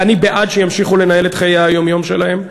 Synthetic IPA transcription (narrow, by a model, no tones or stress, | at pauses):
anibeʔadʃejamʃiχule̞nae̞let̪χajajo̞mjo̞mʃelahe̞m